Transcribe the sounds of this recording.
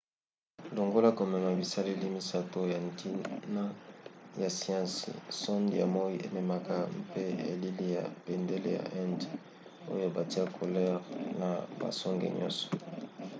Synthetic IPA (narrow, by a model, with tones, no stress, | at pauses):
lo˨ŋɡo˦la˦ko˨mɛ˨ma˨bi˨sa˦le˦li˦mi˦sa˦to˦ja˨nti˦na˦ja˨si˦ã˦sḭ˨sɔ˦ndja̰˨mo˦i˦e˨me˨ma˨ka˦mpe˦ḛ˨li˦li˦ja̰˨pe˨nde˦le˦ja̰˨ʔɛ˦nd | o˦jo˦ba˨ti˦a˦kʰo˨lɛ˦ʁna˨ba̰˨sɔ˦ŋɡḛ˨ɲɔ̰̃˦nsɔ̥˨